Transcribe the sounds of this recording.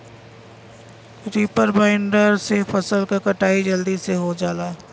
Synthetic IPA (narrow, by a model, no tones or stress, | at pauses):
ɾiːpəɾbaɪɳɖəɾsefəsəlkakɐʈaːid͡ʒɐld̪iseɦod͡ʒaːlaː